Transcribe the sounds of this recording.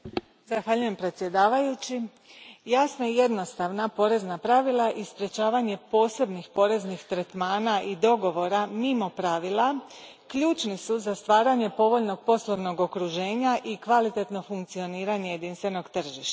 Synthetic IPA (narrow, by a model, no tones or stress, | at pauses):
zaxʋaːʎuje̞mpɾe̞t̪sje̞d̪aːʋajut͡ɕi | jasnaije̞d̪no̞st̪aʋnapo̞ɾe̞znapɾaʋilˠaʔispɾe̞t͡ʃaːʋaɲe̞po̞ːse̞bnixpo̞ɾe̞znixt̪ɾet̪maːnaʔid̪o̞ɡo̞ʋo̞ɾamimo̞pɾaʋilˠa | kʎuːt͡ʃnisuzast̪ʋaːɾaɲe̞po̞ʋo̞ʎno̞ɡ̚po̞slˠoʋno̞ɡo̞kɾuʒe̞ːɲaʔikʋalit̪e̞t̪no̞fuŋkt̪sio̞niːɾaɲe̞je̞d̪inst̪ʋe̞no̞ɡt̪r̩ʒiʃt̪a